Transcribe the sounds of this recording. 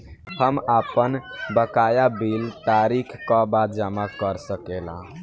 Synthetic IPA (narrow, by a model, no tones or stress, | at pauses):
həmapənbəkajabilt̪aɾikʰkãbat̪̚d͡ʒəmakəɾsəkelã̰